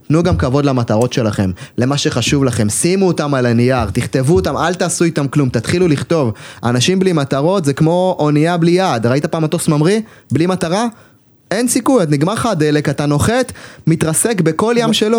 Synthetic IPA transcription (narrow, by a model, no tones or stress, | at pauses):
t̪nuɡamkavo̞dlamat̪aʁo̞tʃe̞laχe̞mle̞maʃe̞χaʃuvlaχe̞msimuot̪amalanijaʁt̪iχt̪e̞vuot̪amalt̪aːsuit̪amklumt̪at̪χiluliχt̪o̞va̰naʃimblimat̪aʁo̞t̪zekmo̞ʔoniablijad̪ʁait̪apaːmat̪o̞smamʁiblimat̪aʁa | e̞nsikujat̪niɡmaʁχad̪ele̞kat̪ano̞χe̞t̪mit̪ʁase̞kbe̞ko̞ljamʃe̞lo